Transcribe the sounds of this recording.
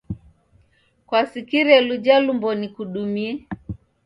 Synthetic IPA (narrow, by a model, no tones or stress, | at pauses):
kwasikiɾɛlud͡ʒalumbɔnikuɗumiɛ